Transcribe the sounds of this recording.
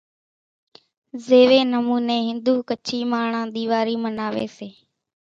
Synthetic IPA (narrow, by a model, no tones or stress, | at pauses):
zeːʋeːnəmuːneːɦɪnd̪uːkət͡ʃʰiːmaːɳãːɗ̪iːʋaːɾiːmənaːʋḛːseː